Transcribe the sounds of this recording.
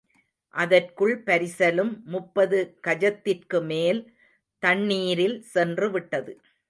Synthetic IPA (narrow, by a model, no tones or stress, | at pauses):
ʔɐðɐrkɯɭpɐɾɪsɐlɯmːʊpːɐðɯkɐd͡ʒɐt̪ːɪrkɯmeːl | t̪ɐɳːiːɾɪlsɛndrɯʋɪʈːɐðɯ